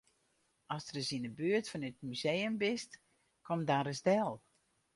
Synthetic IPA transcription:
ɔsdərəsindəbyːərtfɔnyt̚myzejəmbɪst | kʰɔmdaːɾəsdɛlˠ

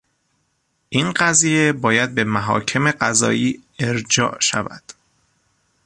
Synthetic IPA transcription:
ʔiːnɢæzije̞bɒːjæd̪̚be̞mæɦɒ̰ːcʰe̞me̞ɢæzɒ̰ːʔiːe̞ɾd͡ʒɒ̰ːʔʃæ̰væ̰d̪̥

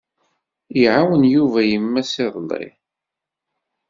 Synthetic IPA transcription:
jʕawənjuvæjəmːæsɪðˤlˤːɪ̰

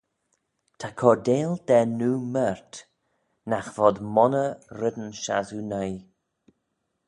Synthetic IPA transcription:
t̪ʰakʰɔdeːld̪ɛnuːmɛɹt̪ | naxvɔd̪mɔnəɾɪd̪ənʃa̰zunəj

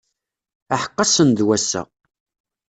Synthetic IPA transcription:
aħə̥qːɑsənd̪wæsːə̰

